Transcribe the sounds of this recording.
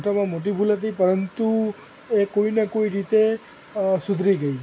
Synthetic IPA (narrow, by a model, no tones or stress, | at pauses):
ʈamãmoʈ̬ibʱulɦət̪ipəɾənt̪u | ekoinekoiɾit̪e | sʊd̪ʱɾiɡəi